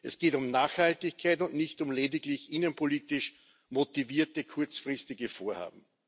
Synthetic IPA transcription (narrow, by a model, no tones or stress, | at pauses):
ʔɛsɡ̥eːtʊmnaːxhaltɪçkʰaɪtʊntnɪçtʊmleːdɪklɪçʔinənpʰoliːtɪʃ | motiviːɐtəkʰʊɐt͡sfʁɪstɪɡəfoːɐha̰ːb̚m̩